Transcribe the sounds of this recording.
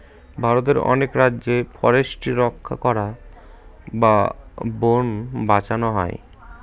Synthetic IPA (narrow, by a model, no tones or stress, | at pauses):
bʱaɾot̪eɾɔ̰nekɾadːʑefɔɾeʃʈiɾɔkʰːa̰kɔɾa | babonbat͡ɕanoɦɔ̰e